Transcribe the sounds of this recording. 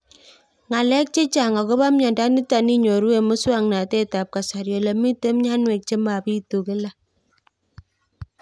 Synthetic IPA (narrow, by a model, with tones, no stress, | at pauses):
ŋa˨lɛ˦k̚t͡ʃe˦t͡ʃa˨ŋa˨ko˦βa˦mɲɔ˨nda˦ni˦ta˨ni˦ɲo˨ɾu˦e˨mɔ˦swa˦˨ŋna˨te˦ta˨p̚ka˨sa˨ɾjɔ˨lɛ˨mi˦te˦m˦ɲa˦nwe˨k̚t͡ʃe˦ma˨pi˦tu˨ke˦la˦